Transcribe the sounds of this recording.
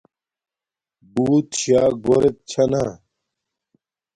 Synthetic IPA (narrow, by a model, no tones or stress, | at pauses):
buːt̪ɕaːɡoɾet̪̚t͡ɕʰɐnaː